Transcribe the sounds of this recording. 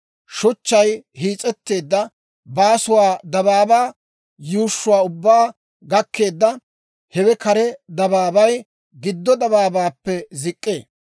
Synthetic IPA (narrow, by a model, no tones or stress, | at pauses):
ʃʊt͡ʃːɐjhiːt͡sʼɛt̪ːe̞ːd̪ːɐ | baːsʊwaːd̪ɐβaːbaː | juːʃːʊwaːʊbːaː | ɡɐkʰːe̞ːd̪ːɐ | hɛwɛkɐɾɛd̪ɐbaːbɐj | ɡɪd̪ːɔd̪ɐbaːbaːpːɛzɪkʼːeː